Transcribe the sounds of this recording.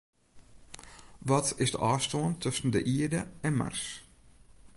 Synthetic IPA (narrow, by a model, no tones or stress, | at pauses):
ʋɔtɪsdəʔɑːstoːəntʰɵsən̩dəʔiədəɛnma̰rs